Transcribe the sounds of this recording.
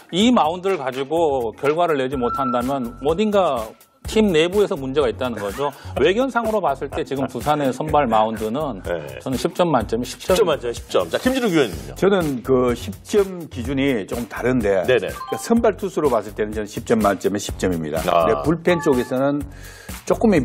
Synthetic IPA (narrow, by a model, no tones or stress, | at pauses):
imaundɯɾɯɭkad͡ʑiɡokjʌɭɡwaɾɯɭːe̞d͡ʑimotʰandamjʌnmʌdiŋɡa | tʰimne̞bue̞sʰʌmund͡ʑe̞ɡait̚t͈anɯnɡʌd͡ʑowe̞ɡjʌnsʰaŋɯɾopas͈ɯɭt͈e̞t͡ɕiɡɯmpusʰane̞sʰʌnbaɭmaundɯnɯnt͡ɕʌnɯnɕʰip̚t͡ɕ͈ʌmːant͡ɕ͈ʌmeɕʰi̥pt͡ɕʌanɕʰi̥p̚t͡ɕʌimd͡ʑiɾuɡueno̰t͡ɕʌnɯnkɯɕʰip̚t͡ɕ͈ʌmkid͡ʑuɲit͡ɕokɯmtaɾɯnde̞neesʰʌnbaɭtʰusʰuɾopas͈ʰɯɭt͈e̞nɯnt͡ɕʌnɯnɕʰip̚t͡ɕ͈ʌmːant͡ɕ͈ʌmeɕʰi̥p̚t͡ɕ͈ʌmimɲḭda̰depuɭpʰe̞nt͡ɕ͈oɡe̞sʰʌnɯn | t͡ɕ͈ok͈ɯmi